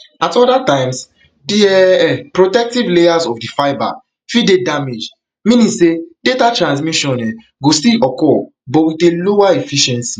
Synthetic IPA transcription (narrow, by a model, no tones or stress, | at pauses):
atɔdatãɪ̃ms | diɛpɹotɛk̚tivlejazɔfdifaɪba̰ | fidedamed͡ʒ | mĩnĩsedetatɹãns̬miʃɔ̃nɛ | ɡostiʔɔkɔ | bɔwitelowaefiʃɛ̃nsi